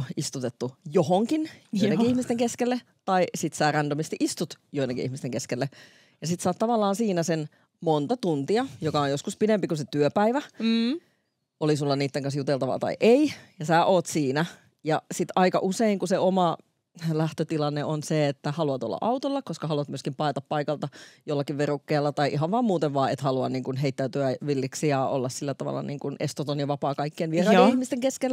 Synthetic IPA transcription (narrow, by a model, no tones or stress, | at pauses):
ist̪ut̪et̪ːujohoŋkinjoinekiihmist̪eŋkeskelːe | t̪ɑisit̪sæːrændomist̪iʔist̪ut̪joinːekḭʔihmist̪eŋkeskelːe | jɑsit̪sɑːt̪t̪ɑʋɑlːɑːnsiːnæsen | mont̪ɑt̪unt̪iɑjokɑojjoskuspinempikuset̪yøpæiʋæ | olisulːɑniːt̪ːeŋkɑnsjut̪elt̪ɑʋɑ̰t̪ɑ̰iʔeijɑsæːʔoːt̪siːnæ | jɑsit̪ɑikɑ̰ʔuseiŋkuseomɑ | læht̪øt̪ilɑnːeonseet̪ːæhɑluɑt̪o̰lːɑ̰ʔɑut̪olːɑkoskɑhɑluɑt̪myøskimpɑet̪ɑppɑikɑlt̪ɑjolːɑkiʋʋerukːeːlːɑt̪ɑiʔiɦɑʋʋɑːmuːt̪eʋʋɑːḛt̪hɑluɑnniːŋkunɦeit̪ːæːt̪yæʋilːiksiɑo̰lːɑssilːæt̪ɑʋɑ̰lːɑ̰nḭːŋkunʔest̪ot̪onjɑʋɑpɑːkɑikːienʋierɑːenihmist̪eŋkeskelː